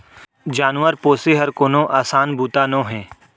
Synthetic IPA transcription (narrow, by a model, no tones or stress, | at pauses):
d͡ʒaːnʋəɾpoːseɦɐɾkoːnõʔaːsaːnbʱuːt̪anõːɦɛ̃ː